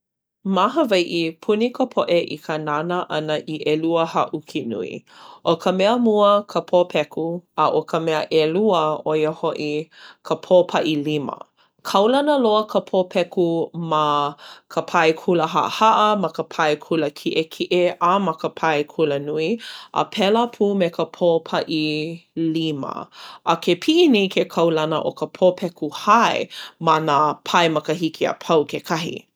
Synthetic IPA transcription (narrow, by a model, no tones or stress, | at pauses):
maɦəvɐjʔipʰunikʰəpʰoʔeʔḭkʰənanəʔɐnəʔiʔeluəhɐʔukʰinṵḭʔokʰəmɛəmuəkʰəpʰopʰɛkuɐʔokʰəmɛə̰ʔeluəojəhoʔikʰəpʰopʰɐʔilimə̰ | kʰɐwlɐnəloəkʰəpʰopʰɛkumakʰəpʰɐjkʰuləɦa̰ʔhaʔəmɐkəpʰɐjkʰuləkʰiʔekʰiʔeamɐkəpʰɐjkʰulənuiʔə̰pʰɛləpʰuːmekəpʰopʰɐʔilimɐ̰ʔɐkʰepʰiʔinejkʰekʰɐwlɐnə̰ʔokəpʰopʰɛkuhaemɐnapʰɐjmɐkəɦikʰiɐ̰pʰɐwkekʰɐɦḭ